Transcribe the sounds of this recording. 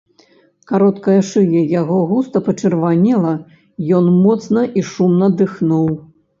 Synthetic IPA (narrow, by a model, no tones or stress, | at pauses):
kaɾɔt̪kɐjɐʂɨjɛjaɣɔɣust̪ɐpɐt͡ʂɨrvanʲɛlˠɐ | jɔnmɔt̪snɐʔiʂumnɐd̪ɨxnuw